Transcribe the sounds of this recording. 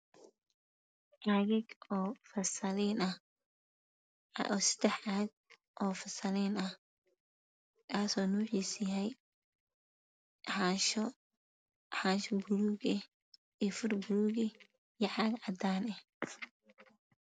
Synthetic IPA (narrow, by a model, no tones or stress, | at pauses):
ʔaɣɪɡɔːfɐrsɐlɛnɐh | ʔɔːsɐ̥d̪ɛħʕaɡ̚ | ʔɔːfɐsɐlɛːnɐh | kʰaːsɔːnuːħiːsjɐɦɛj | ħaʃ | ħaːʃbʊluɡɛ | ifʊrbʊluːɣɪ | jɐʕɑɡʕɑd̪aːnɛh